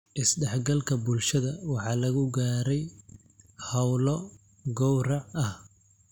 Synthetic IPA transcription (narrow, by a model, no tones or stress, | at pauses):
ʔɪsɖɛħɡɐlkʰɐbʊlʃɐðɐwɑħɑːlɐɣʊɡaːɾɛj | hɐwlɔ | ɡɔwrɑʕɐh